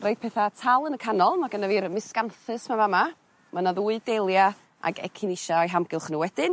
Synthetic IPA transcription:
roɨd̚pʰɛθatʰalˠənəkʰanɔlˠmaɡənaviːɾəmɪskanθɨsmavama | manaðuːɨdelˠja | ʔa̰ɡɛ̰kʰɪniʃaɔjɦamɡɪlˠχnuwɛdɪn

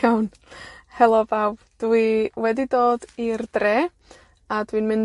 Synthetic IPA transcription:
awn | hɛlˠɔbaw | d̥wiwɛdidoːdirdreː | adwinmɪn

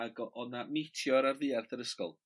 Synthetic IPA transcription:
aɡɔɔnametʰjɔɾarðɨːarθəɾəskɔ̰lˠ

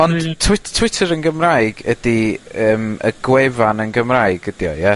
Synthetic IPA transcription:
ɔnd̥tʰːwɪttʰwɪtʰəɾənɡəmraɨɡədiəːmə̰ɡwɛvanənɡəmraɨɡədjɔ̰jɛ

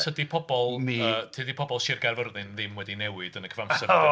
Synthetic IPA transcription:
tʰədipʰɔbɔlˠniəːtʰədipʰɔbɔlˠʃɪrɡarvəɾðɨnðɪmwɛdinɛwɨd̥ənəkʰəvamssə

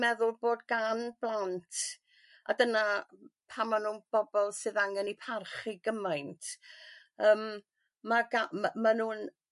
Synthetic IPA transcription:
mɛðʊlˠboːdɡanblˠantʰ | a̰dənapʰamanuːnb̥ɔbɔlˠsɨðaŋɛnipʰarχiɡəmajntʰ | əːmː | aɡamanuːn

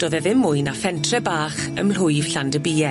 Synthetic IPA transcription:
d̥oːðɛðɪmːʊɨnafɛntʰrɛbaːχə̰ml̥ʊɨv̥ɬandəbiːɛ

